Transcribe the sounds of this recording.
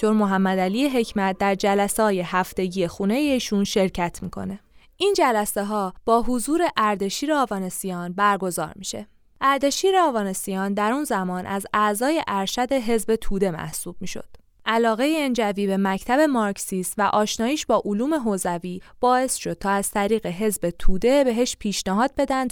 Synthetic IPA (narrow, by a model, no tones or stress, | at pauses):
oɾmoɦæmːæd̪ælijeɦe̞cʰmæt̪̚d̪æɾd͡ʒælæsɒːje̞hæft̪e̞ɟije̞xuːne̞jeiːʃunʃe̞ɾcʰæt̪ʰmiːkʰo̞̰ne̞ | ʔind͡ʒælæseɦɒːb̥ɒːɦozuːɾe̞ʔæɾd̪e̞ʃiːɾeɒːvɒːne̞sijɒːnbæɾɡo̞zɒ̰ːɾmiʃe̞̰ | ʔæɾd̪e̞ʃiːɾeɒːvɒːne̞sijɒːnd̪æɾunzæmɒːnʔæzæzɒːje̞ʔæɾʃæd̪e̞ɦe̞zbe̞t̪ʰuːd̪e̞mæ̰hsuːb̥̚miːʃo̞̰d̪̥ | ʔælɒːɣe̞jeend͡ʒæviːbe̞mæcʰt̪ʰæbe̞mɒɾksist̪væʔɒːʃnɒːjiːʃbɒːʔoluːme̞ɦozæviːb̥ɒːe̞sʃo̞d̪̚t̪ʰɒːæz̥t̪ʰæɾiːɣe̞ɦe̞zbe̞t̪ʰuːd̪e̞be̞ɦeʃpʰiːʃnæɦɒːd̪̚be̞d̪ænd̪̚